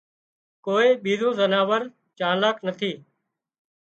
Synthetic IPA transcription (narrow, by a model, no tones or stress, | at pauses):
koːeːɓiːzũːzənaːʋəɾ | t͡ʃaːlaːknət̪ʰiː